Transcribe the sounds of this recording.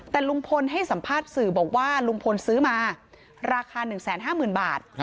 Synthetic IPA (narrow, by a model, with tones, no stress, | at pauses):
t̪ɛː˨˩lu˧ŋpʰo˧nɦa˥˩jsa˩˦mpʰaː˥˩t̪̚sɯː˨˩bɔː˨˩k̚waː˥˩lu˧ŋpʰo˧nsɯː˦˥maː˧ | ɾaː˧kʰaː˧nɯ˨˩ŋsɛː˩˦nɦaː˥˩mɯː˨˩nbaː˨˩t̪̚